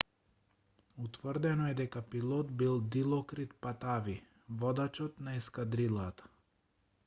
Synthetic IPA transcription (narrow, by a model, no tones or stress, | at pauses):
ut̪vərd̪ɛnɔɛd̪ɛkapilˠɔt̪bilˠd̪ilˠɔkɾit̪pat̪avi | vɔd̪at͡ʃɔt̪naiskad̪ɾilˠat̪ḁ